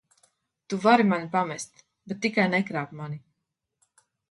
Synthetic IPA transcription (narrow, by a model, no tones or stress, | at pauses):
t̪uvaɾimanʲipamɛst̪ | bɛt̪ːikajnɛkɾaːpmanʲi